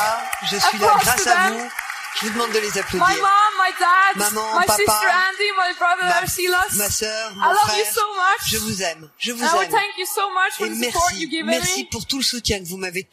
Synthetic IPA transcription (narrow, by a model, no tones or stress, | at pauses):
ʒəsɥidɔɡʁasaɛ̃mu | ʒ̥əvud̪əmɑ̃d̪ːəlezaplomaɪmɑ̃mːaɪdæd̚mamɑ̃maɪpsaɪtaə˞æ̃ndimaɪbɹʌðəsiləsmasœʁmaɪ̃lfʌχɛvjɨʁsoʊmʌt͡ʃʒəvuzɛm | ʒəvuaɛmθæ̃ŋkjɨsomʌt͡ʃfəmɛʁpsɔɹiəɡɪvmɛʁmiipuʁt̪uləsut̪jɛ̃kəvumave